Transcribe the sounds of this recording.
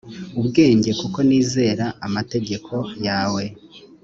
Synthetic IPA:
ubɡe̞ːɲɟe̞kuko̞niːze̞ːɾaːmate̞ɡe̞kʰo̞jaːwe̞

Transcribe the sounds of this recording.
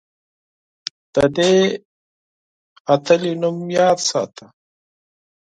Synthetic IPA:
d̪̥əd̪e | at̪ʰɐljunumjɑːd̪sɑ̰ːt̪ʰa

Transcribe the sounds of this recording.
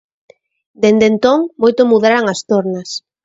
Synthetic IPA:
d̪end̪ent̪oŋmojt̪omuðaɾaŋast̪oɾnas

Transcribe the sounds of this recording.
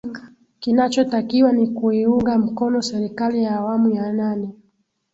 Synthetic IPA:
kinat͡ʃɔtakiwanikuiuŋɡam̩kɔnɔsɛɾikalijaːwamujananɛ

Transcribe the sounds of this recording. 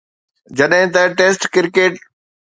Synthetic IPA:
d͡ʑɐɗɦɪ̃t̪̬ãʈeːsʈkɪɾkeːʈ

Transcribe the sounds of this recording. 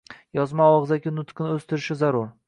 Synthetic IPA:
jɒzmaɒʁɨzakʲɪnʊt̪qʰɨnɪɵst̪ɪɾɪʃɪzaɾʊɾ

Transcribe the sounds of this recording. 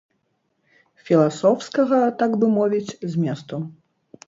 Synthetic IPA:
fʲilˠasɔwskɐɣɐt̪aɡvɨmɔvʲit͡sʲzʲmʲɛst̪u

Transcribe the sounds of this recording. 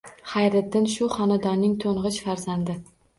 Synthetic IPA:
χajɾɪt̪ːɪnʃʊχɒnad̪ɒnːɪŋt̪ʰoɴʁɨt͡ʃfaɾzand̪ɪ

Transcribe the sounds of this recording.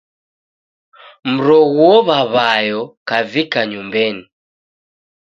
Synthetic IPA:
m̩ɾɔɣuɔβaβajɔkavikaɲumbɛni

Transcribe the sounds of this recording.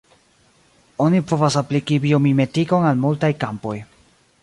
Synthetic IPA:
o̞nipo̞vasaplikibio̞mime̞tiko̞nalmultajkampo̞j

